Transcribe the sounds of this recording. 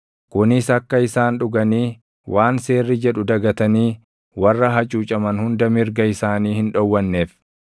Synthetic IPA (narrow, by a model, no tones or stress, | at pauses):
kʊnɪsɐkːɐɪsaːnᶑʊɡɐniː | wʔaːnse̞ːrːɪd͡ʒɛᶑʊd̪ɐɡɐt̪ɐniː | wɐrːɐɦɐt͡ʃʼuːt͡ʃʼɐmɐnhʊnd̪ɐmɪɾɡɐɪsaːniːhɪnᶑɔwːɐnːeːf